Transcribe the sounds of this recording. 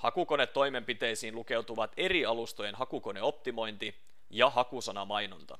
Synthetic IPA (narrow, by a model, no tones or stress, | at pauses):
hɑkuko̞ne̞t̪ːo̞jme̞mpit̪e̞jsiːnluke̞wt̪uʋɑt̪e̞ɾiɑlust̪ojenɦɑkuko̞ne̞o̞p̚t̪imo̞jnt̪i | jɑɦɑkusɑnɑmɑjnont̪ɑ̰